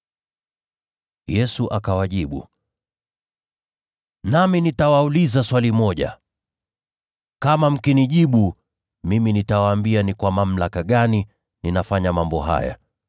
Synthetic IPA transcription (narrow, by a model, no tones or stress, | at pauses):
jɛsuʔakawaʄiɓṵ | naminitawaulizaswalimɔʄa̰ | kamam̩kiniʄiɓu | miminitawaːmbianikwamam̩lakaɠani | ninafaɲamambɔɦa̰ja̰